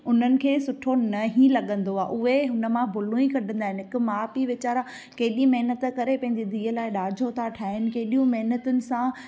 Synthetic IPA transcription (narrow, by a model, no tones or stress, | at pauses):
ʊn̤ənɪ̆kʰeːsʊʈʰonɐɦĩlɐɠə̃nd̪oaːʔʊɦeɦʊnə̆mãbʱʊlũĩkɐɗʱə̃nd̪aːɦɪnɪɦɪkʊ̆maːpiʋɪt͡ɕaːɾa | keːɪɗĩmɐɦnət̪kɐɾepɐ̃ɦɪ̃ɲd͡ʑid̪ʱiːəlaːɪɗaːd͡ʑʱot̪ʰaʈʰaːɦɪnɪ̆keɦɗijũmɐɦnət̪ʊnɪ̆sã